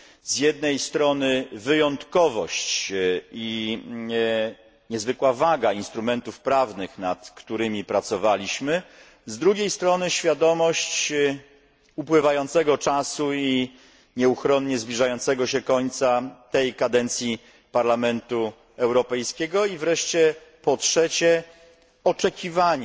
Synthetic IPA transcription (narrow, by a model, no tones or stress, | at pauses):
zjɛd̪̚nɛjst̪ɾɔnɘvɘjɔnt̪kɔvɔɕt͡ɕi | ɲɛzvɘkwavaɡainst̪ɾumɛnt̪ufpɾavnɘxnat̪kt̪uɾɘmʲipɾat̪sɔvalʲiɕmɘ | zd̪ɾuɡʲejst̪ɾɔnɘɕfʲjad̪ɔmɔɕt͡ɕ | upwɘvajɔnt̪sɛɡɔt͡ʂasui | ɲɛuxɾɔnɲɛzblʲiʐajɔnt̪sɛɡɔɕɛkɔɲt̪sat̪ɛjkad̪ɛnt̪sʲji | paɾlamɛnt̪u | ɛwɾɔpɛjskʲɛɡɔivɾɛʂt͡ɕɛpɔtʂɛt͡ɕɛ | ɔt͡ʂɛkʲivaɲ